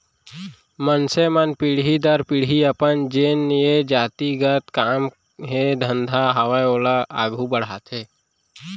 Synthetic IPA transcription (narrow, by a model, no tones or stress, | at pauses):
mənsemənpiɽɦid̪əɾpɪɽɦiɐpənd͡ʒenjed͡ʒaːt̪iɡət̪kaːm | ɦed̪ʱə̃nd̪ʱaɦɐwajoːlaa̰ːɡʱubəɽ̤aːt̪ʰeː